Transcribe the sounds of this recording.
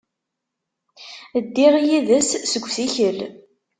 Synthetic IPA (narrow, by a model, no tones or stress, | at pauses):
əd̪ːiɾˤijiðæsːəɡʷːθiçəl